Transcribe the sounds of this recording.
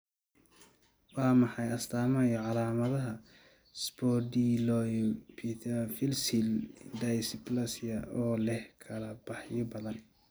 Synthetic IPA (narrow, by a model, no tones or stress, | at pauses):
wɑːmɑħɑjɐst̪ʰaːmɐjɐʕɑlaːmɐðɐɦɐ | sbɔdilɔjpʰifɪlsɪldɐjsɪplɐsɪɐʔɔːlɛhkʰɐlɐb̥ɑħjɔbɐðɐn